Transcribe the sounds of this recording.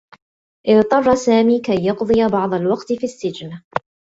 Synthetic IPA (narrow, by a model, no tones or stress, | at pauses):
ʔɪðt̪ˤɑrˤːɑsaːmiːkajːɑqd̪ˤɨjabɑʕd̪ˤɑlwɑqt̪ɪfisːɪd͡ʒna